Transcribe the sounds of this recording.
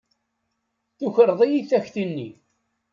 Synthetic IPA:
θuçəɾðˤijiθæçθinːi

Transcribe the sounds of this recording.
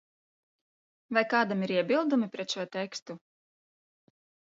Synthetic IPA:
vajkɑːd̪amiɾiɛbʲilˠd̪umipɾɛt̪ʃuɔt̪ɛkst̪u

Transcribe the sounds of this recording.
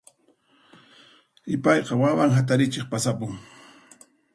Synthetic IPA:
ɪpɑjqɑwawaŋɦat̪̬aɾɪt͡ʃeχpasapʊŋ

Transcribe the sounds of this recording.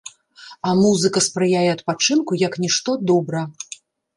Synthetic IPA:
ɐmuzɨkɐspɾɨjajɛɐt̪̚pat͡ʂɨnkujɐknʲiʂt̪ɔd̪ɔbɾɐ

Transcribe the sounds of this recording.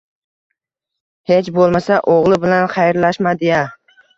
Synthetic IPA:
het͡ʃbolˠmasaʔoʁlˠɪbɪlanχɑjɾlaʃmad̪ɪja

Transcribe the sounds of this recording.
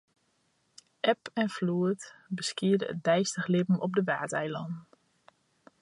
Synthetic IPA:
ʔɛpɛnfluətbəskiədəə̰t̚dɛjstəχlɪbm̩ɔp̚dəʋaːtɛjlɔn

